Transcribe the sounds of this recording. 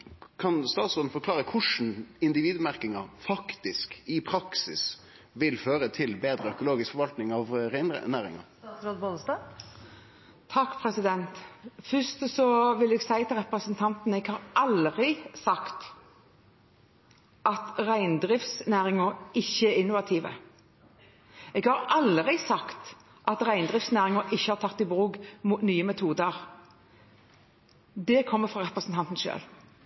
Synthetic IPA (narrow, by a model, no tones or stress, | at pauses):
kʰɑnst̪ɑːt̪sɔd̪n̩fɔɾkʰlɑːɾəkʰʊʂn̩ɪnd̪ɪʋiːd̪mæɾkɪŋɑfɑkt̪ɪskɪpʰɾɑksɪ̰s | ʋɪlføːɾət̪ʰɪlbeːd̪ɾəœkʊloːɡɪskfɔɾʋɑlt̪nɪŋɑʋɾæɪn̰næːɾɪ̰ŋɑ̰ | ɔd̪bɔlst̪ɑ | t̪ʰɑkːpʰɾɛsɪd̪ɛnt̪fʏst̪sɔʋɪlɛɡsæɪt̪ʰɪlʁɛpɾəsənt̪ʰɑnt̪nɛɡhɑɾʔɑlʁɪsɑkt̪ | ʔɑt̪ʁæɪnd̪ɾɪft̪snæːɾɪŋəɾɪçːəæɾɪnːʊʋɑt̪ʰiːʋə̰ | ɛɡhɑɾʔɑlʁɪsɑkt̪ | ʔɑt̪ʁæɪnd̪ʁɪft̪snæːɾɪŋəɾʔɪçːəhɑɾt̪ʰɑt̪ːɪbʁuːɡmut̪nyːəmɛt̪ʰuːd̪əɾ | d̪ɛkʰɔmːəfʁɑɾɛpɾəsnt̪ʰɑnt̪n̩ʃø̰ːl